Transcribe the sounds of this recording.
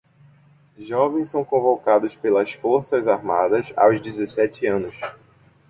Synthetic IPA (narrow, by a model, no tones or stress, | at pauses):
ʒɔvẽj̃sɐ̃w̃kõvokad̪ʊspelɐsfoɾsɐzaɾma̰d̪ɐza̰wzd͡ʒizesɛt͡ʃɪɐ̃nʊs